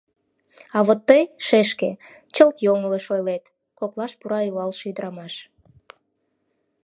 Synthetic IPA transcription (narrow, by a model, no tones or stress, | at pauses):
ɑβot̪ːəjʃeʃke | t͡ɕəlt̪joŋəleʃojlet̪ | koklɑʃpuɾɑilɑlʃyd̪əɾɑmɑʃ